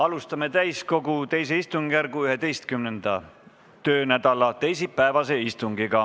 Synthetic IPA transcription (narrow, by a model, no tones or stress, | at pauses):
ɑlust̪ɑme̞t̪æjsko̞ɡut̪e̞js̬e̞ist̪uŋɡ̥jærɡuyɦe̞d̪e̞jst̪̚kymnend̪̥ɑ | t̪ø̞ːnæd̪̥ɑlɑt̪e̞js̬ipːæevɑse̞ist̪uŋɡiɡɑ